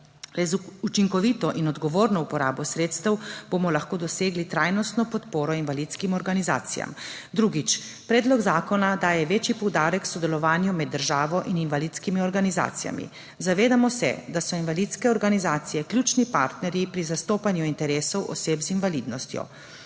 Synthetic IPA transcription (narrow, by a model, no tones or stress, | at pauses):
ɾɛzut͡ʃiŋkɔʋiːt̪ɔʔinɔd̪ɡɔʋoːɾnɔupɔɾaːbɔsɾeːt̪st̪əwb̥omɔlaxkoːd̪ɔseːɡlit̪ɾaːjnɔst̪nɔpɔt̪poːɾɔinʋalit̪skimɔɾɡaniza̰ːt̪sḭja̰m | d̪ɾuːɡit͡ʃ | pɾɛːd̪lɔɡzaːkɔnad̪aːjɛʋeːt͡ʃipɔwd̪aːɾɛkːsɔd̪ɛlɔʋaːnjumɛd̪ːəɾʒaːʋɔʔininʋaliːt̪skimiɔɾɡaniza̰ːt̪sija̰mḭ | zaʋeːd̪amɔsɛ̰d̪asɔinʋalit̪skɛɔɾɡanizaːt̪sijɛklʲjut͡ʃnipa̰ːɾt̪nɛɾjipɾizast̪oːpanjuint̪ɛɾeːsɔwʔɔ̰seːpzinʋaliːd̪nɔst̪jɔ̰